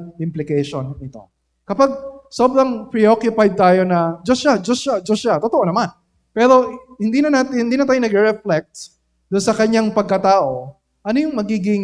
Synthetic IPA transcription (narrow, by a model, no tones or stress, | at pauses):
ʔɪmplɪkɛjʃonːɪt̪o̞̰ | kɐpaɡ̚sobɾɐŋpɹɪokjʊpajd̪̚t̪aːjo̞nɐd͡ʒoʃad͡ʒosʃad͡ʒosʃat̪ot̪oʔonɐman | pɛːɾo̞hɪnd̪iːnɐnaːt̪ɪhɪnd̪iːnɐt̪aːjonɐɡɛɾɛflɛk̚t̪ | d̪ʊnsɐkɐɲaŋpɐɡ̚kɐt̪aːʔo̞ | ʔɐnojʊŋmɐɡiːɡɪŋ